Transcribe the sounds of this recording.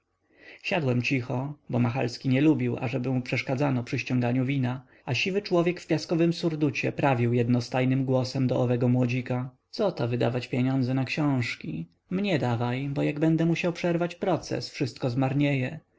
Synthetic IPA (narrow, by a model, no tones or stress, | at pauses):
ɕad̪wɛmt͡ɕixɔbɔmaxa̰lskʲiɲɛlubʲiwa̰ʐɛbɘmupʂɛʂkad̪zanɔpʂɘɕt͡ɕɔ̃ŋɡaɲuvʲina | aɕivɘt͡ʂwɔvʲjɛkfpʲjaskɔvɘmsuɾd̪ut͡ɕɛpɾavʲiwjɛd̪nɔst̪ajnɘmɡwɔsɛmd̪ɔʔːvɛɡɔmwɔd͡ʑikat̪sɔt̪ɔvɘd̪a̰vat͡ɕpʲjeɲɔnd̪zɛnakɕɔ̃w̃ʂkʲi | mɲɛd̪avajbɔjaɡbɛnd̪ɛmuɕawpʂɛɾvat͡ɕpɾɔt̪sɛ̰sfʂɘst̪̚kɔzmaɾɲejɛ